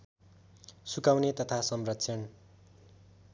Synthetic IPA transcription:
sukawnet̪ʌt̪ʰasʌmrʌksʰʌn

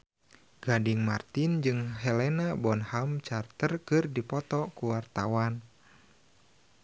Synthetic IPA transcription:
ɡ̥adɪŋma̰rt̪ɪnd͡ʒɨŋɦɛlɛnabɔnhamt͡ʃart̪ərkɨrdipɔt̪ɔkuwart̪awan

